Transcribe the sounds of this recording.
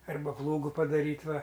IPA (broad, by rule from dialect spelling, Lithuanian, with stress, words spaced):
ˈɐrbɐ ˈplˠuːɡʊ pɐdɐˈrʲiːtʲ ˈʋɐ